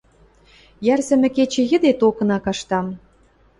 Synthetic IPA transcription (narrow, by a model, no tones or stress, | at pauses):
jærzɘ̆mɘ̆ket͡ɕĕjə̆d̪et̪okɤ̆nɑkɑʃt̪ɑm